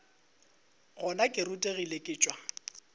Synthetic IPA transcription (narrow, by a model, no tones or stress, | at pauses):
ɣʊnakʼɪrʊtʼeɣilekʼɪːt͡ʃʼwa